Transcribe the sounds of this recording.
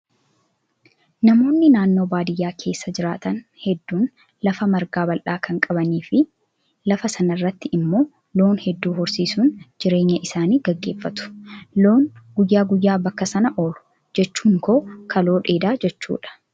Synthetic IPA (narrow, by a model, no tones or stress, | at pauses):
nɐmo̞ːnːɪnaːnːo̞ːbaːd̪ɪjːaːkʰe̞ːsːɐd͡ʒɪɾaːt̪ɐnhɛd̪ːuːn | lɐfɐmɐɾɡaːbɐlʔaːkɐŋkʼɐbɐniːfɪ | lɐfɐsɐnɐrːɐt̪ːɪʔɪmːo̞ː | lo̞ːnhɛd̪ːuːɦʊɾsiːsuːnd͡ʒɪɾe̞ːɲːɐʔɪsaːniːɡɐɡːe̞ːfːɐt̪ʊ̥lo̞ːŋɡʊjːaːɡʊjːaːbɐkːɐsɐnɐʔo̞ːlʊ̥ | d͡ʒɛt͡ʃːuːŋko̞ːkʰɐlo̞ːᶑe̞ːd̪aːd͡ʒɛt͡ʃːṵːᶑɐ̥